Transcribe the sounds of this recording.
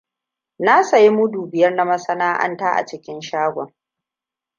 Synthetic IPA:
na˦sa˨ji˦mʊ˦duː˨bɪ˨jɐ˦rna˦mɐ˦sɐ˦naː˦ʔa̰˦ntaː˦ʔa̰˨t͡ʃɪ˦kʲɪ˦nʃaː˦ɡʷɔ˨ŋ

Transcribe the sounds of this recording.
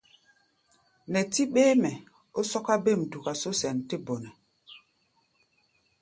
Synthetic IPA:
nɛ˨ti˦ɓe˦mɛ˨ | o˦sɔ˦ka˦be˦˨m˨du˨ka˨so˦sɛ˨nte˦bo˨nɛ˨

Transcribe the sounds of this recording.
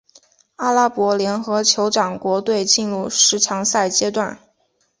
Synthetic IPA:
a˥la˥pwɔ˧˥ljɛ˧˥nxɤ˧˥t͡ɕʰjo˧˥ʊʈ͡ʂɑ˨˩ŋkwɔ˧˥t̪we˥˧ɪt͡ɕi˥˧nɻu˥˩ʂɻ̩˧˥ʈ͡ʂʰɑ˧˥ŋsa˥˩ɪt͡ɕjɛ˥t̪wa˥˩n

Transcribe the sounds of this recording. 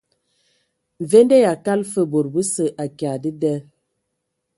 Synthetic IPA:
ɱ˨ve˦ndɛ˦ja˨ka˦lfə˦bo˨ɾbə˦sə˨ʔa˨kja˨di˦dɛ˦

